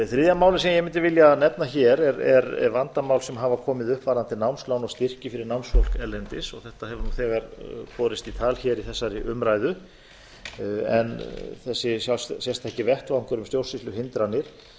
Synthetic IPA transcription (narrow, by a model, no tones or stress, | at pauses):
θɾɪðjamaːwlɪsɛmjɛmɪnt̪ɪvɪljanɛpnaçɛɾɛɾɛ̰ɾɛ̰ɾvant̪amawlsɛmɦaːvakʰɔːmɪðʏhpvaːɾðant̪ɪnawmsklawnɔɣst̪ɪr̥cɪfɪɾɪɾnawnsfowl̥kɛlːɛnt̪ɪsɔɣθɛht̪aɦɛvʏɾnunθɛːɣaɾfɔːɾɪst̪it̪ʰaːlçɛːɾiθɛsːaɾɪʔʏmɾaːjðʏ | ɛnθɛsːɪsjassɛlst̪ʰɛhcɪvɛht̪vaaŋkʰœɾʏmst̪jowlsɪst̪lʏhɪnt̪ɾanːɪɾ̥